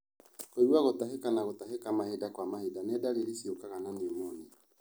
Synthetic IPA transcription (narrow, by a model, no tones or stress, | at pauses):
koɾwaɣotaɦekanaɣotaɦekamahedakwamahedanɛdaɾeɾesiokaɣananemɔne